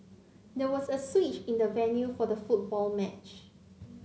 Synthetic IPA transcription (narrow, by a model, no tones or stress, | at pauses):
dɛwɔsəswit͡ʃĩndəvɛ̃njufɔdəfut̚bɔlmɛt͡ʃ